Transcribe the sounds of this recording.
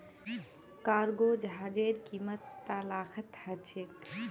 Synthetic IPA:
kaɾɡod͡ʒɦad͡ʒeɾkimət̪ːalaːkʰət̪hət͡ʃʰe

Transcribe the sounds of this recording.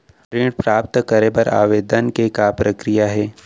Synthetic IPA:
ɾɪ̃ɽpɾaːpt̪kɐɾebɐɾa̰ːʋeːd̪ənkekapɾəkɾijaɦɛː

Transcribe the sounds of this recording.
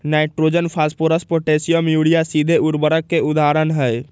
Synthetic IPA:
naɪʈɾod͡ʒənpʰaspoɾəspoʈesijəmjuɽijasid̪ʱeuɾbəɾəkːeud̪aɾənɦəj

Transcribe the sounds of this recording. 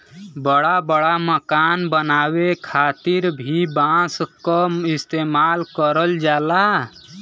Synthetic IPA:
bəɽabəɽaməkanbənawekʰat̪iɾbʱibãskəist̪emalkəɾəld͡ʒala

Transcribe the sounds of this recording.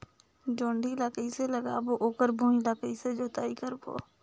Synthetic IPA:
d͡ʒoːɳɖʱilaːkəiseləɡa̰ːboʔoːkəɾbʱũːnlaːkəised͡ʒoːt̪aːikəɾbo̰ː

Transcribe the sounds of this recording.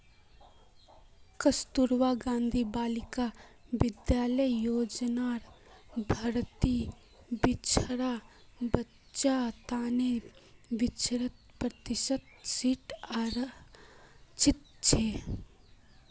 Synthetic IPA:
kəst̪uɾʋaɡãːnd̪ʱibaːlɪkaʋɪd̪jaːləjjoːd͡ʒnaːɾ | bʱɐɾt̪i | bɪt͡ʃʰɾabətː | ʃat̪aːneʋɪt͡ʃʰɾət̪̚pɾət̪ɪʃət̪siʈaːɾ | t͡ʃɪt̪̚t͡ʃʰeː

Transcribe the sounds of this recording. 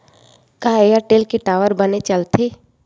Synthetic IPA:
kaːejaʈeːlkeʈaːʋəɾbənet͡ʃəlt̪e

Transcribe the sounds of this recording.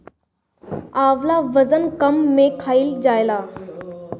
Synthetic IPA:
aːʋlaːʋɐzənkɐmːẽkʰaːild͡ʒaːjlaː

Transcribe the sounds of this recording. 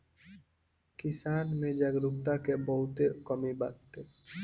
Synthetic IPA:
kɪsaːnmẽd͡ʒəɡɾuk̚t̪akebəɦʊt̪ekəmiba̰kt̪e

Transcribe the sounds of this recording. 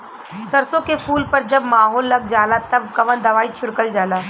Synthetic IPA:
sɐɾsõkepʰuːlpɐɾd͡ʒɐbmaːɦoːlːɐɡ̚d͡ʒaːlat̪ɐb̚kɐʋə̃nd̪ɐʋaːit͡ʃʰʊɽkəld͡ʒaːlaː

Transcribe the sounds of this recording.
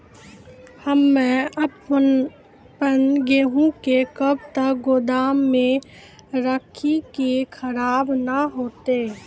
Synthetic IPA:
həmːɛ̃əp | pənɡeːɦũkekəbt̪əkɡoːd̪aːmːẽ | ɾəkʰikekʰəɾaːbnaɦoːt̪e

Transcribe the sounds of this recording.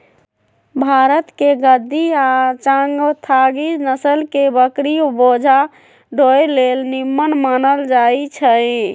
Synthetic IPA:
bʱaɾət̪keɡəd̪ʱːiat͡ʃãŋɡt̪ʰaɡid͡ʒnəsəlkebəkɾiobod͡ʒʱa | ɖʱojlelnimːənmanəld͡ʒait͡ʃʰə

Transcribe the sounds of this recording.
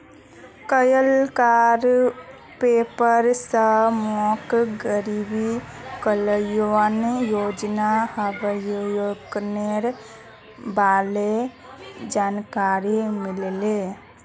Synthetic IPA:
kəjəlkaɾ | peːpəɾsəmɔkɡəɾibikələjoənjoːd͡ʒnaɦəbəjojoɡneɾ | baːle | d͡ʒaːnkaɾimɪlle

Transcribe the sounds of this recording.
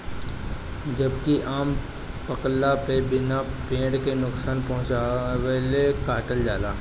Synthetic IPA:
d͡ʒɐbkiʔaːm | pəklapebɪnapẽːɖkenʊksaːnpɐɦʊ̃t͡ʃaʋelekaːʈəld͡ʒaːlaː

